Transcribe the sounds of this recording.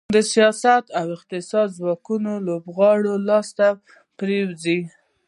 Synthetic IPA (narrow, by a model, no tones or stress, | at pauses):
d̪əsijɑsat̪awɪqt̪ɪsɑd̪zwɑkunolobɣɑɽolɑst̪a | pɾewzi